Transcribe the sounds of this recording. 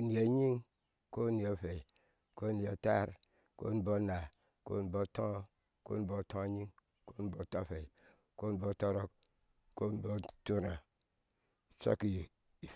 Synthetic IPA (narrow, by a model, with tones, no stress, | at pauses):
u˨ni˨e˨˦ɲi˦ŋ | ko˦ni˨a˨fe˨ | ko˦ni˨a˨ta˦ɾ | ko̰˦ni˨bo˦na˨ | ko̰˦n˨bo˦tõ˦ | ko̰˦i˨bo˦˨tõ˦˨ɲi˦ŋ | ko˦ni˨bo˨ta˦˨fe˨i˨ | ko˦n˨bo˦˨to˦ɾo˦k̚ | ko˦n˨bo˦tu˦ɾa˨ | so̰˦ki˨ | i˨